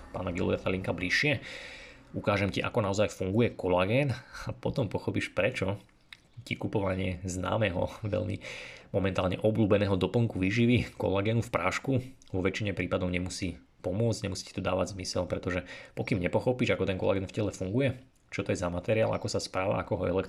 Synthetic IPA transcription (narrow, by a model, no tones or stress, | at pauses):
pa̰ːnaɡḭlɔ̰ɛfaliŋkabliʃːɪɛ | ukaːʒɛmciʔa̰kɔnaɔzajfuŋɡujɛkɔlaɡɛːnapɔt̪ɔmpɔxɔpiːʃpɾɛt͡ʃɔ | cikupɔʋaɲɪɛzna̰ːmɛɦɔ̰ʋɛ̰ʎmḭmɔmɛnt̪aːlɲɛ̰ʔɔbluːbɛnɛːɦɔd̪ɔpl̩ŋkuʋiːʒiʋikɔ̰laɡɛːnufpɾaːʃku | ʋɔʋɛt͡ʃiɲɛpɾiːpad̪ɔʊɲɛmusiː | pɔmʊɔd͡zɟɲɛmusi̥ci̥t̪ɔd̪aːʋaɟzmisɛlpɾɛt̪ɔʒɛpɔkimɲɛpɔxɔpiːʒakɔt̪ɛnkɔla̰ɡɛːnfcɛlɛfuŋɡujɛ | t͡ʃɔt̪ɔjɛzamat̪ɛɾia̰ːla̰kɔsaspɾaːʋa̰akɔɦɔɛ̰lɛk